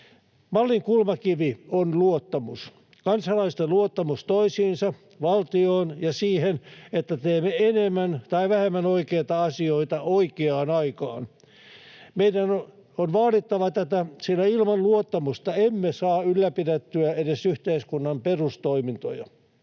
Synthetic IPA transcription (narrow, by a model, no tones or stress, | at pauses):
mɑlːiŋkulmɑkiʋionluot̪ːɑmus | kɑnsɑlɑist̪eluot̪ːɑmust̪oisiːnsɑ | ʋɑlt̪ioːnjɑsiːhenet̪ːæt̪eːmːeenemːænt̪ɑiʋæhemːænoikeːt̪ɑɑsioit̪ɑoikeɑːnɑikɑ̰ːn | meidæn | onʋɑːlit̪ːɑʋɑt̪æt̪æsilæilmɑnluot̪ːɑmust̪ɑemːesɑːylːæpidet̪ːyæedesyht̪eiskunːɑmperust̪oimint̪o̰jɑ̰